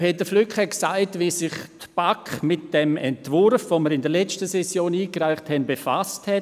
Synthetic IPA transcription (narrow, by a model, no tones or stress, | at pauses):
pʰeːtəɾflykχhɛtksaɪtvisɪχtb̥akmɪtd̥ɛmɛntvʊɾfvoməɾɪndəlɛt͡stəsɛsjoːniːkɾaɪχthɛnbefasthɛ